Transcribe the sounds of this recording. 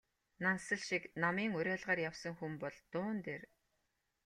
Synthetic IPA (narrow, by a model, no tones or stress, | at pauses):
nansə̆ɮʃiknamiːŋʊɾʲæːɮʁaːrjawsə̆ŋxumpɔɮt̪ʊːnt̪eːr